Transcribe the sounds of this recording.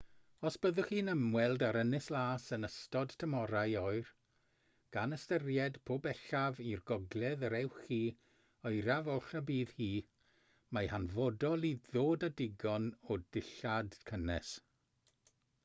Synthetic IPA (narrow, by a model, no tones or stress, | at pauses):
ɔsb̥əðʊχiːnəmwɛlˠdaɾənɪslˠaːsənəstɔd̥tʰəmɔɾajɔɨr | ɡ̥anəstərjɛd̥pʰoːbɛɬavirɡɔɡlˠɛðɾɛwχi | ɔjɾavɔlˠɬabiːðhiː | mahanvɔdɔlˠiðoːdadɪɡɔnɔdɪɬadkʰənɛ̰s